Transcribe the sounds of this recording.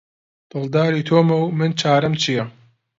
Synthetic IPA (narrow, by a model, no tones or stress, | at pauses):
d̪̥ɨld̪aːɾiːt̪ʰoːmɐwmɨnt͡ʃʰaːɾɐmt͡ʃʰijɐ